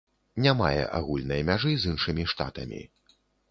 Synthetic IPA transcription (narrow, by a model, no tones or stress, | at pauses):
nʲama̰jɛ̰ʔa̰ɣulʲnɐjmʲaʐɨzɨnʂɨmʲiʂt̪a̰t̪ɐmʲḭ